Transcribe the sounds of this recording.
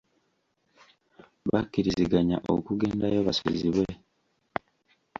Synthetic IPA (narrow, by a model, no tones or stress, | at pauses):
βakːiɾiziɡaɲa̰ʔo̰kuɡe̞ːndajoβaso̰ziβwe